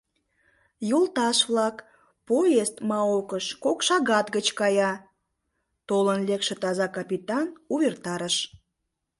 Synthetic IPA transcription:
jolt̪ɑʃβlɑk | pojest̪mɑokəʃkokʃɑɣɑt̪ɣət͡ɕkɑjɑ | t̪olənlekʃĕt̪ɑzɑkɑpit̪ɑnuβert̪ɑɾəʃ

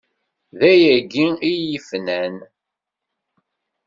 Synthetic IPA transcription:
ðæjæɡiiəfnæn

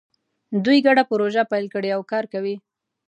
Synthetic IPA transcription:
d̪ujɡaɽapəɾoʒapajlkəɽeawkɑɾkawi

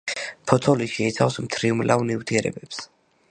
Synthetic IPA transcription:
pʰɔt̪ʰɔliʃɛit̪sʰavsmt̪ʰɾiumlavnivt̪ʰiɛɾɛ̰bɛps

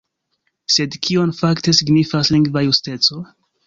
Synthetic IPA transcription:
se̞dkʰio̞nfakte̞siɡnifasliŋɡvajuste̞t͡so̞

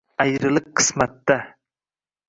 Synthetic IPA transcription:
æjɾɨlˠɨqʰːɨ̥smæt̪ːa

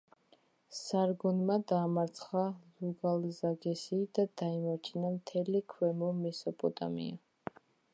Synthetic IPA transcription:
saɾɡɔnmad̪aːmaɾt̪sʰχaluɡalzaɡɛsid̪̥ad̪̥aimat͡ʃʰinamt̪ʰɛlikʰwɛmɔmɛsɔpʼɔt̪ʼa̰mḭa

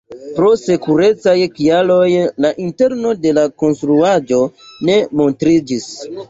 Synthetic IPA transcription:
pɾo̞se̞kuɾe̞t͡sajkialo̞jlaʔinte̞ɾno̞de̞lako̞nstɾuad͡ʒo̞ne̞mo̞ntɾid͡ʒis

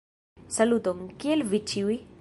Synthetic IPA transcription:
sɐlut̪omkelʋit͡ʃʰiwi

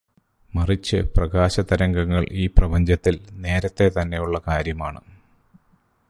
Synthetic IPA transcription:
mɐrit͡ɕːɨ̰prɐɡaːɕɐd̪ɐɾɐŋɡɐŋːɐɭiːprɐbɐɲd͡ʑɐt̪ːilne̞ːɾɐt̪ːe̞t̪ɐnːe̞juɭːɐkaːɾjɐmaːɳɨ̰

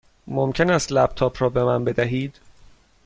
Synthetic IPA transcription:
momcʰe̞næst̪læb̚t̪ʰɒːpʰɾɒːbe̞mænbe̞d̪æɦiːd̪̥

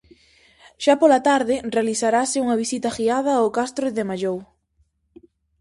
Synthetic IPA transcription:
ʃapolat̪aɾðɪrealiθaɾasɪuŋɐβ̞isit̪ɐxiað̞ɐokast̪ɾoðemaʎow

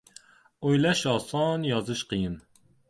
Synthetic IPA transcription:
ojlɛʃɑːsɑːnjɑːzɨʃqijɨn

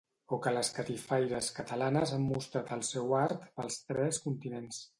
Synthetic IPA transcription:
okələskət̪ifajɾəskət̪əlanəzamːust̪ɾat̪əlˠsɛwaɾt̪pəlˠst̪ɾɛskunt̪inens

